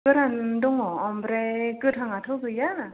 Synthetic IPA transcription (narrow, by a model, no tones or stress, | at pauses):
kɯɾandɔŋɔɔmbɾɛkɯtʰaŋatʰɯɡɯjana